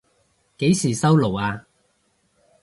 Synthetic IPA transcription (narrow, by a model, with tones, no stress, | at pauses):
ke˨˥jsiː˨˩sɐ˥wlo˨˩waː˧